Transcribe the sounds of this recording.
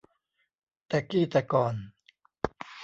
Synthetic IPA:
t̪ɛ˨ki˦t̪ɛkɔn

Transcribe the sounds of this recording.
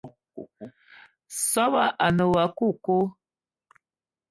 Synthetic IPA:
sɔ˦ba˦ʔa˨nə˨wa˨˦ku˦˨ko˦

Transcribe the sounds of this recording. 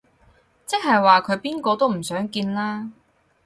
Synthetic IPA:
t͡sɪ˥k̚ɦɐ˨jwaː˨kʰɵ˨˧ɥpiː˥nkɔː˧t̪o˥wm̩˨˩sœː˨˥ŋkiː˧nlaː˥

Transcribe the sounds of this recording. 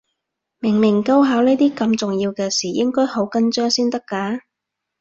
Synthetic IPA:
mɪ˨˩ŋmɪ˨˩ŋkɐ˧wɦaː˨˥wneː˥t̪iː˥kɐ˧mt͡sʊ˨ŋjiː˧wkɛː˧siː˨˩jɪ˥ŋkɔː˥jho˨˥wkɐ˥nt͡ʃœː˥ŋsiː˥nt̪ɐ˥kːaː˨˥

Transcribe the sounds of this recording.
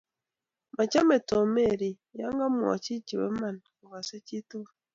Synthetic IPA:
ma˨ca˦me˨to˨meɾi˨ | ja˦ŋɡa˦mwo̰˨ci˦ci˨wḛ˦ma˨na˨ɡa˨se˦ci˦tu˦βa

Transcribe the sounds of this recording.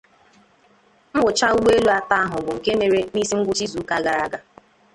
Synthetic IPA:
m̩˦ɡʊ˨t͡ʃa˦u˦ɡ͡be˦e˦lu˦a˨ta˦a˦ɦʊ˨ɡʷʊ˨ŋ̩˨ke˦me˨ɾe˦niː˦si˦ŋ̩˦ɡʷʊ˦t͡ʃi˦zu˨˦ka˦ɡa˨ɾa˦ɡa˦

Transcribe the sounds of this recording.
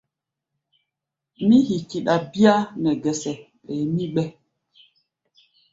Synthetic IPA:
mi˦hi˨ki˨ɗa˨bi˦a˦nɛ˨ɡɛ˨sɛ˨ | ɓɛː˨mi˦ɓɛ˦

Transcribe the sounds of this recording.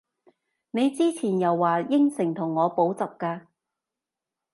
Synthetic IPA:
ne˨˧jt͡siː˥t͡sʰiː˨˩njɐ˨wːaː˨˩jɪ˥ŋsɪ˨˩ŋt̪ʰʊ˨˩ŋːɔː˨˧po˨˥wt͡sɐ˨p̚kaː˧

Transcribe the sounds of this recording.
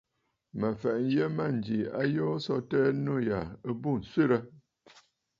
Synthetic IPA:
mə˨fɛ˨ʔn̩˦jə˦ma˦˨n̩˨d͡ʒi˨a̰˦jo˦sɔ˦tɛ˦no˦˨ja˨ə˦bu˦˨n̩˨se˦˨ɾə˦

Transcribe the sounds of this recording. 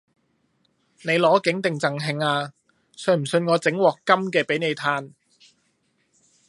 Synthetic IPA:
ne˨˧jlɔː˨˥kɪ˨˥ŋt̪ɪ˨ŋt͡sɐ˨˩ŋɦɪ˧ŋaː˧ | sɵ˧˩m̩˨˩sɵ˧nŋɔː˨˧t͡sɪ˨˥ŋwɔː˨kːɐ˥mkɛː˧pe˨˥jne˨˧jt̪ʰaː˧n

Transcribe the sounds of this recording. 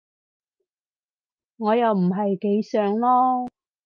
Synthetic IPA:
ŋɔː˨˧jɐ˨wm̩˨˩ɦɐ˨jke˨˧jsœː˨ŋlɔː˥

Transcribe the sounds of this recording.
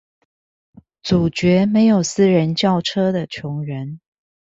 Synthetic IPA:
t͡su˨˩t͡ɕɥɛ˨˥me˨˦ɪjo˨˩ʊsɹ̩˥˦ɻə˧˦nt͡ɕjɑ˥˨ʊʈ͡ʂʰɤ˥d̪ə˨t͡ɕʰjʊ˨˧˥ŋɻə˨˦n

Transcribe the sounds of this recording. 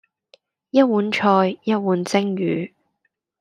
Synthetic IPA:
jɐ˥t̚wuː˨˥nt͡ʃʰɔː˧jjɐ˥t̚wuː˨˥nt͡sɪ˥ŋjyː˨˦

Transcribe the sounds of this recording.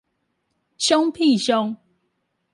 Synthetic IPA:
ɕjo˦ŋpʰi˥˨ɕjo˦ŋ

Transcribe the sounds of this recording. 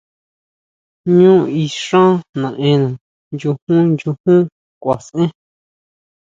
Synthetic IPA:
ɲũː˦i˧ʂã˦nã˨ʔẽ˧nã˨ | nd͡ʒu˧hũ˦nd͡ʒu˧hũ˦ | kʷa˨sʔẽ˦

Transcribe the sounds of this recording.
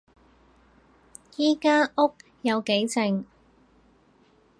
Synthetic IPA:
jiː˥kaː˥ʔʊ˥k̚ | jɐ˨˧wke˨˥jt͡sɪ˨ŋ

